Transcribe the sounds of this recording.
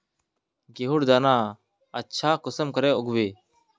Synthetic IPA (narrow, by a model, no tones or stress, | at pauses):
ɡeːɦʊɽd̪aːnãː | ətːʃʰaːkəsəmkəɾeːʊɡʋeː